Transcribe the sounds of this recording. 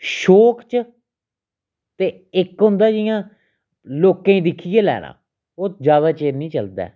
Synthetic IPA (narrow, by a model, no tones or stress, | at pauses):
ʃoːkt͡ʃ | t̪eː | ɪkɦʊ̃nd̪aːd͡ʒɪjãː | loːkãːĩːd̪ɪkʰijeːlɛ̰ːnã̰ː | oːd͡ʒaːβaːt͡ʃeːɾnĩːt͡ʃəld̪ɛ̰ː